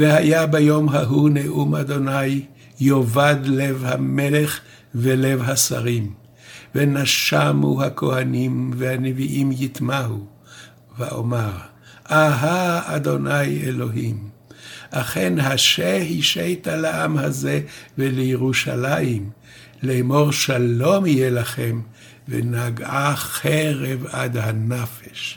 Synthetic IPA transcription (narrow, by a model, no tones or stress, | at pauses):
vehajabajo̞mɦaɦuneʔumad̪o̞najː | ovad̪le̞vhameleχ | vele̞vɦasa̰ʁim | venaʃamuhakʰo̞hanimvehaneviʔimjit̪maɦu | veo̰maʁ | aɦaad̪o̞najelo̞ɦimʔaχe̞nɦaʃehiʃejt̪alaʔamhazevelejeʁuʃa̰lajim | lemo̞ʁʃalo̞mhijelaχem | vḛnaɡaχeʁevad̪hanafeʃ